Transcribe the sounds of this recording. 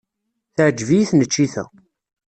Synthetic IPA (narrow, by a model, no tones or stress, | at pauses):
θʕd͡ʒːvijiθnət͡ʃːiθæ̰